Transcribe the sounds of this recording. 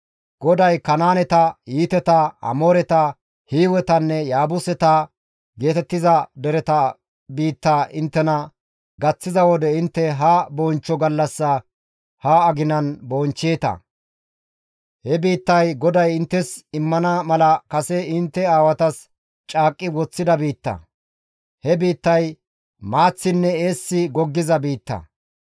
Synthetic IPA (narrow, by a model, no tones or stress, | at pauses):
ɡ̥ɔd̪ɐjkɐnaːnɛt̪ɐjiːt̪ɛt̪ɐɐ̰mo̞ːɾɛt̪ɐ | hiːwɛt̪ɐnːɛjaːbʊsɛt̪a | ɡe̞ːt̪ɛt̪ːɪzɐd̪ɛɾɛt̪ɐ | biːt̪ːaːʔɪnt̪ːɛnɐ | ɡɐt͡sːɪzɐwɔd̪ɛɪnt̪ːɛɦɐbɔnt͡ʃːɔɡɐlːɐsːɐ | hɐɐɡɪnɐnboːnt͡ʃːeːt̪ɐ̰ | hɛbiːt̪ːɐjɡɔd̪ɐjɪnt̪ːɛsɪmːɐnɐmɐlɐkɐsɛɪnt̪ːɛaːwɐt̪ɐs | t͡ʃʼaːkʼːɪwɔt͡sːɪd̪ɐbiːt̪ːɐ̰ | hɛbiːt̪ːɐj | maːt͡sːɪnːɛeːsːɪɡɔɡːɪzɐbiːt̪ːɐ̰